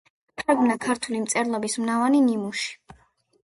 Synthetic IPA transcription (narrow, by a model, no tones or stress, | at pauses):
t̪ʰaɾɡmnakʰaɾt̪ʰulimt̪sʼɛɾlˠɔbismnavaninimuʃi̥